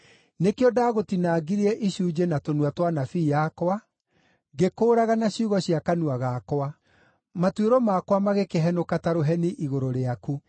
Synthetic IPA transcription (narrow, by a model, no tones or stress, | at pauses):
nekeɔdaɣotinaːɡiɾiɛʔiʃuːd͡ʒenatonwatwanafiːjakowa | ɡekoːɾaɣanaɕuːɣɔɕiakanuaɣakwa | matweɾɔmakwamaɣekeɦɛnokataɾoɦɛniʔiɣoɾoɾeaku